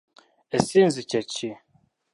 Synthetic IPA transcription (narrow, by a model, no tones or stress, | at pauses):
ɛsinzɨt͡ʃat͡ʃi